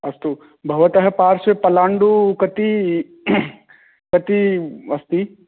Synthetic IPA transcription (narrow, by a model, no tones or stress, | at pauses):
ɐst̪u | bʱɐʋɐt̪ɐɦɐpaːɾsepɐlaːɳɖukɐt̪i | kɐt̪iɐst̪i